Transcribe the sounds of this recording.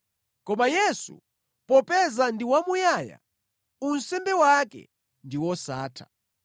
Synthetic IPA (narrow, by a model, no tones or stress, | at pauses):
kɔmajɛsṵ | pɔpɛzandiwamujaːja̰ | unsɛmbɛwakɛ̰ | ndiwɔsaːtʰḁ̰